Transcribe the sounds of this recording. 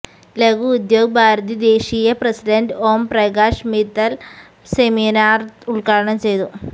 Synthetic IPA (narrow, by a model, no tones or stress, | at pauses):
leɡuːd̪jo̞ːɡɐbʱaːɾɐt̪id̪eːɕijɐprɐsiɖɐnɖoːmprɐɡaːʂmit̪ːɐl | seminaːruɭkaːɭɐɳɐmt͡ɕe̞jt̪u